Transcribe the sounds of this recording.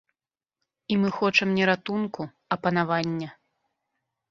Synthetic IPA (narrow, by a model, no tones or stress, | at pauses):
imɨxɔt͡ʂɐmnʲɛɾat̪unku | ɐpɐn̪avanʲːɐ